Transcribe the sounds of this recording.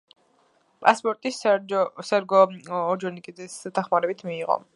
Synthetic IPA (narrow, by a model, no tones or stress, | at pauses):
pʼaspʼɔɾt̪ʼissɛɾɡɔːd͡ʒɔnikʼid̪zɛsd̪̥aχmaɾɛbit̪ʰmiːʁɔ̰